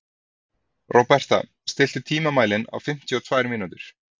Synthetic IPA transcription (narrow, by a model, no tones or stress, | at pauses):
rʔɔpɛr̥t̪a̰ | st̪ɪl̥t̪ʏt̪ʰiːmamaːjlɪna̰wfɪm̥t̪ʰjʏɔt̪ʰvaːjɾmiːnut̪ɪɾ̥